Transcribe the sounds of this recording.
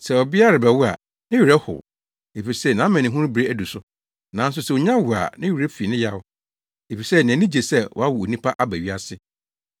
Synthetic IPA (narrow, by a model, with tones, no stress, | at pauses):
sɛ˨ɔ˨bɪ˦a˦ɾa˨bɛ˨wʊ˦a̰˨ | nɪ̃˦ɥi˨ɾɛ˦hʊ̰˨ | e˨fi˨sɛ˦nã˨˦mɛ̃˨nɪ̃˨ɦũ˦ɾʊ̃˦bɾe˦æ˦du˨sʊ˦ | nã˨˦n̩˦s̬ʊ˦sɛ˨ʊ˨ɲã˦wʊ˨a̰˨nɪ̃˦ɥi˨ɾɛ˦fi˨nɪ̃˦ja˦ʊ˦ | e˨fi˨sɛ˦nɪ̃˨nĩ˦d͡ʑe˨sɛ˦wɔ̰˨a˦wʊ˨o˨nĩ˦pʰa˦ʔa˦bæ˨ɥi˦a˦sɪ˦